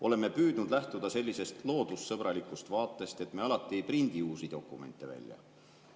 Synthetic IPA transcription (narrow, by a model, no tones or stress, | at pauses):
o̞le̞mːepyːd̪nud̪læht̪ud̪ɑse̞lːise̞st̪lo̞ːd̪̥usːɤb̥ɾɑlikˑust̪vɑːt̪ˑːe̞st̪e̞t̪ːˑmeɑlɑt̪ːˑiejprind̪̥iuːsid̪̥o̞kːˑume̞nt̪ːˑe̞væ̰lʲːjɑ̰